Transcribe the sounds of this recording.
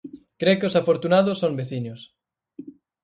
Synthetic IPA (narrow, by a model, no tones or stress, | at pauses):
kɾekɪʊsafoɾt̪unaðʊsːoŋbeθiɲʊs